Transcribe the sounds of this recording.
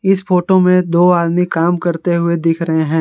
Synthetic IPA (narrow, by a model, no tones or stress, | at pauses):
ɪsfoːʈomẽd̪oːaːd̪mikaːmkɐɾt̪eɦʊed̪ɪkʰɾɐɦeɦɛ̃ː